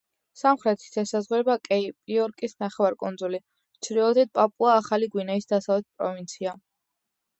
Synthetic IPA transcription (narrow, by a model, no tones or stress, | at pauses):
samχɾɛt̪ʰi̥sɛsazʁwɛbakʼɛipʼiɔɾkʼisnaχɛwaɾkʼund̪zuli | t͡ʃʰɾiɔd̪ɛd̪̚pʼapʼuaːχaliɡwinɛisd̪asavlɛt̪̚pʼɾɔ̰vint̪sʰia